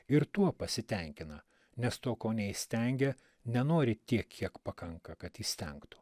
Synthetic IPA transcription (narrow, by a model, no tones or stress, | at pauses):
ɪɾt̪uɔpɐsʲɪt̪ʲɛŋʲkʲɪnɐ | nʲɛst̪oːkoːnʲɛisʲt̪ʲɛŋʲɡʲɛ | nʲɛnoːɾʲɪt̪ʲiɛkʲʰːiɛkpɐkɐŋkɐkɐt̪jiːsʲt̪ʲɛŋkt̪ʊ̥